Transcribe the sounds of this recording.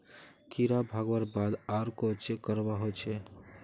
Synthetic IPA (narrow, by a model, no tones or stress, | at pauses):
kiɾabʱaɡʋəɾbad̪aɾkot͡ʃʰekəɾbaɦot͡ʃʰɛ